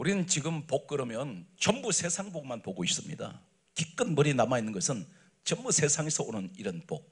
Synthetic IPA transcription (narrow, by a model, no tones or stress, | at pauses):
uɾinɯnt͡ɕiɡɯmpok̚k͈ɯɾʌmjʌnt͡ɕʌmbusʰe̞sʰaŋboɡmanpoɡois͈ɯmɲḭda̰ | kik͈ɯnbʌɾinamainːɯnɡʌsʰɯn | t͡ɕʌmbusʰe̞sʰaŋesʰʌonɯniɾʌnpok̚